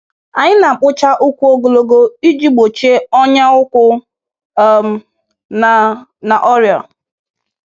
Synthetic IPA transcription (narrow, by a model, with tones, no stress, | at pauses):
a˨ɲɪ˦na˨k͡pʊ˦t͡ʃa˦ʔʊ˦kʷu˦o˦ɡo˨lo˨ɡo˦i˦d͡ʒi˦ɡ͡bo˨t͡ʃe˦ɔ˦ɲa˦ʊ˦kʷʊ˦ | m˦˨ | na˨ʔɔ˦ɾjɔ̰˨